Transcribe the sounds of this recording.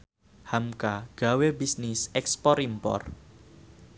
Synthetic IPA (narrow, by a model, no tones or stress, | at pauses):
hamkaɡ̥a̤webisnisɛkspɔɾimpɔ̰r